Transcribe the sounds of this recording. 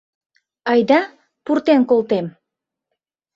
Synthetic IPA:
ɑjd̪ɑ | purt̪enkolt̪em

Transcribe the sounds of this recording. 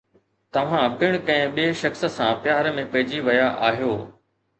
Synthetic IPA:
t̪ɐʋ̤ãbɪɽ̃kɐ̃ɦɪ̃ɓieʃɐxsə̆sãpɪjaːɾmẽpɐɦɪd͡ʑiʋɐjaʔaːɦijoː

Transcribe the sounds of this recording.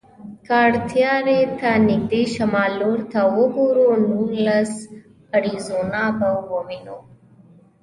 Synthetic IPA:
kaːɽt̪ʰijaːɾet̪ʰanid̪eːʃɐmaːloːɾt̪ʰaoɡoɾonuːlɐs | əɾizoːnaːbɐwːominoː

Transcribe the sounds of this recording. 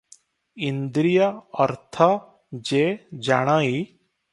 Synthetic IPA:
ind̪ɾijəəɾt̪ʰa | d͡ʒed͡ʒa̰ɽ̃aːi

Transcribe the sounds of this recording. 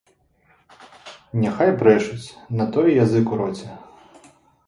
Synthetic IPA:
nʲaxajpɾɛʂut͡sʲnɐt̪ɔjɛjazɨkuɾɔt͡sʲɛ

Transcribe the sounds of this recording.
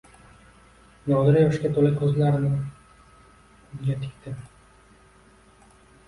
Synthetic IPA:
nɒd̪ɪɾjɒɪʃkʲat̪ʰolɪkʲʰɵzlaɾɪnɪ | jʲet̪ʰɪkʲt̪ʰɪ

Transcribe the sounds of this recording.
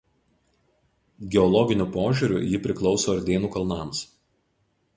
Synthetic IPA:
ɡʲɛɔlˠɔɡʲɪnʲʊpoːʒʲuˑɾʲṵːˑjɪpʲɾʲɪklˠɒʊsoːɐɾʲd̪ʲeːnuːkɐlˠnɑˑms

